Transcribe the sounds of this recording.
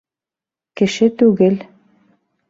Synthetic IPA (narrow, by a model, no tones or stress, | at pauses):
kɘ̆ʃɘt̪uɣɘ̆l